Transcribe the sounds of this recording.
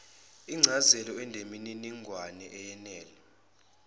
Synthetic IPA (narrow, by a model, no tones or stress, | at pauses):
iŋ͡ǀʱazɛlɔɛndʱemininiŋɡʱwanɛʔɛjɛnɛːlɛ